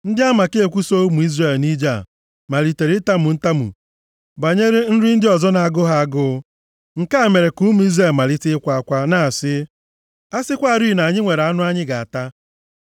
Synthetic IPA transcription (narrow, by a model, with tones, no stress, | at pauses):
n̩˦dɪ˦a˦ma˨ke˦e˦˨kʷu˦so˦mu˨i˦zre˦˨lni˦d͡ʒa˦˨ | ma˨li˨te˨ɾɪ˦ta˦mu˨n̩˦ta˦mṵ˨ | ba˨ɲe˦ɾe˦n̩˦ɾɪ˦n̩˦dɪ˦ɔ˨zɔ˦na˨a˨ɡʊ˦ɦa˦a˦ɡʊ˦ | ŋ̩˨ka˦˨me˨ɾe˨ku˦mu˨˦i˦zre˦˨ma˨lɪ˦tɪ˦kʷa˨˦˨kʷa˦na˦˨a˨sɪ˦ | a˦sɪ˦kʷa˦˨ɾi˦˨na˨ɲɪ˦ŋʷe˨ɾa˦nʊ˦a˦ɲɪ˦ɡa˨a˨ta˦